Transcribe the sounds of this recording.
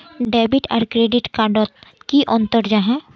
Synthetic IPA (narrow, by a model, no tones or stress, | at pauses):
ɖɛːbɪʈɔ̰ɾkɾeːɖɪʈkaːɖot̪kiʔɔ̃ːnt̪əɾd͡ʒaɦɛ̃